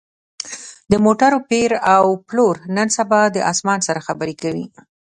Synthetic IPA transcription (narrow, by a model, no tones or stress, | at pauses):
d̪əmoʈaɾopeɾawploɾnənsabɑd̪əʔɑsmɑnsaɾaxabəɾekawi